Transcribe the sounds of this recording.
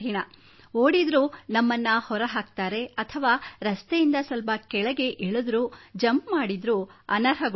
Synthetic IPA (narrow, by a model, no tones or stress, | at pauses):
ɦiɳɐ | o̞ːɽid̪ɾunɐmːɐnːɐhɔɾɐɦaːk̚t̪aːɾe̞ɐt̪ʰɐʋaːɾɐst̪ejind̪ɐsɐlpɐkɛɭɐɡe̞ʔiɭud̪ɾud͡ʒɐmmaːɽid̪ɾuɐnɐɾɦɐɡ